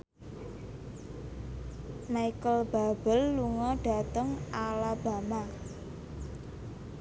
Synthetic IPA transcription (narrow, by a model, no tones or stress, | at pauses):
maikəlb̥a̤b̥əlːuŋɔɖ̥a̤t̪əŋalab̥a̤ma